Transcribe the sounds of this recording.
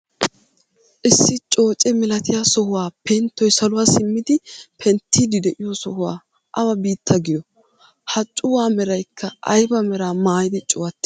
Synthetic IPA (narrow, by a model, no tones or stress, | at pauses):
ʔɪsːɪt͡ʃʼo̞ːt͡ʃʼɛmɛlɐt̪ɪjaːsɔhʊwaːpɛnt̪ːɔjsɐlʊwaːsɪmːɪd̪ɪpʰɛnt̪ʰːiːd̪ɪd̪ɛʔɪjosɔhʊwa̰ː | ʔɐwɐbiːt̪ʰːɐɡɪj̪ɔ | hɐt͡ʃʼːʊwaːmɛɾɐjkʰːɐʔɐjbɐmɛɾaːmaːjɪd̪ɪt͡ʃʼʊwɐt̪ːɛ̥